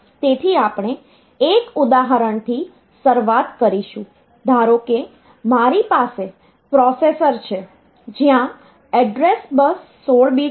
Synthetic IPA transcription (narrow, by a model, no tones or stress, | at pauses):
t̪et̪ʰiapɳ̃e | ekud̪aɦəɾəɳt̪ʰi | səɾʋat̪kəɾiʃũ | d̪ʱaɾoke | maɾipase | pɾɔsesəɾt͡ʃʰe | d͡ʒjã | ɛɖɾesbəsːoɭbi